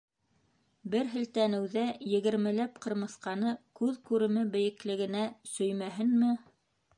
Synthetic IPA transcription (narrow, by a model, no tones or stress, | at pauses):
bɘɾɦɘ̆lt̪ænɘ̆wðæjɘ̆ɡɘ̆ɾmɘ̆læpqɤ̆ɾmɤ̆sqɑnɤkʉðkʉɾɘ̆mɘbɘ̆jɘ̆klɘ̆ɡɘ̆næsɵ̆jmæɦɘnmɘ